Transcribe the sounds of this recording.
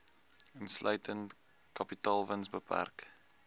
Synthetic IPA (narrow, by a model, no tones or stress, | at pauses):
ənslœɥtʰənt | kɐpitɑːlˠvənsbəpʰæ̰rk